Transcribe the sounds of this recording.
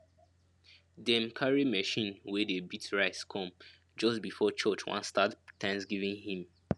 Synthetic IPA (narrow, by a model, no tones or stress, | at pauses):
dɛ̃mkʰaɹimɛʃĩnwɛdebitɹaɪskʰɔ̃m | d͡ʒɔstbifɔt͡ʃʰɔt͡ʃwã̰nstattʰːãɪ̃msɡivĩŋhĩm